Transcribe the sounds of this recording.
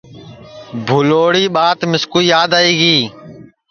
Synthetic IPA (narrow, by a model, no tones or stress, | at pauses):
bʱʊloːɽiːɓaːt̪mɪskuiːjaːd̪aːiːɡiː